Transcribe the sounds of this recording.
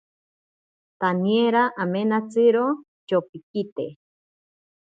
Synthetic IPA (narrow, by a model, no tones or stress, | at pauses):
t̪anieɾaʔamenat͡sɨɾo | t͡ʃopikit̪ḛ